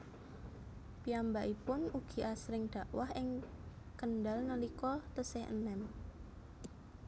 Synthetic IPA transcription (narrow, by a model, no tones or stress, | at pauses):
piambaʔipʊnuɡ̥i̤ʔasɾɪŋɖ̥ä̤ʔwahɪŋ | kənɖalnəlikɔt̪əsehə̰nɛm